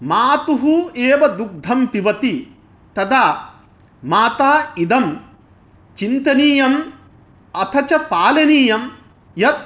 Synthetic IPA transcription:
maːt̪uɦueːʋɐd̪uk̚d̪ʱɐmpiʋɐt̪i | t̪ɐd̪aː | maːt̪aːid̪ɐm | t͡ʃint̪ɐniːjɐm | ɐt̪ʰɐt͡ʃɐpaːlɐniːjɐm | jɐt̪̚

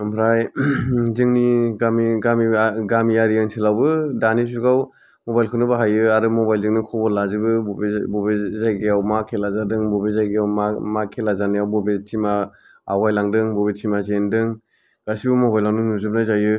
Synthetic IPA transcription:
ɯmpʰɾaj | zɯŋniɡamiɡamiɡamiaɾiɯŋsʰelawbɯdanis̬uɡaw | mɔbajlkʰɯnɯbaɦajɯaɾɯmɔbajlzɯŋnikʰɔbɔlazibɯbɔbezajɡiawmakʰelazadɯŋbɔbezajɡiawmamakʰelazaniawbɔbet͡ʃimaː | wajlaŋdɯŋbɔbet͡ʃimazendɯŋ | ɡ̥asibɯmɔbajlawnɯnuzɯp̚najzajɯ

